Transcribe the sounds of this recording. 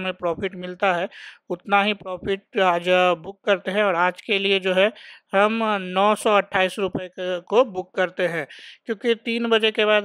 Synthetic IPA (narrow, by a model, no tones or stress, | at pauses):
mẽpɾɔːpʰɪʈmɪlt̪aɦɛʊt̪naɦipɾɔːpʰɪʈ̚aːd͡ʒbʊkːɐɾt̪eɦɛ̃ɔːɾaːd͡ʒkelied͡ʒoːɦɛɦɐmnɔːsɔɐʈʰːaːisɾʊpəekobʊkːɐɾt̪eɦɛ̃ːkjõːkit̪iːnbɐd͡ʒekebaːd̪